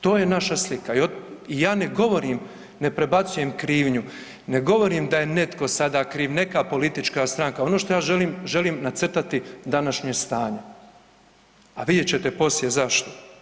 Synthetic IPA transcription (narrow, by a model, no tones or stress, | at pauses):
t̪o̞ːjenaʃaslikaioijaːne̞ɡo̞ʋo̞ɾiːm | ne̞pɾe̞bat̪suje̞mkɾiːʋɲu | ne̞ɡo̞ʋo̞ɾiːmd̪aje̞ne̞t̪ko̞sad̪akɾiːʋne̞kapo̞lit̪it͡ʃkast̪ɾaŋkao̞noʃt̪o̞jaːʒeliːmʒe̞liːmnat̪sr̩t̪at̪id̪anaʃɲest̪aːɲe | aʋid̪jet͡ɕe̞t̪e̞po̞sjezaʃt̪o̞̥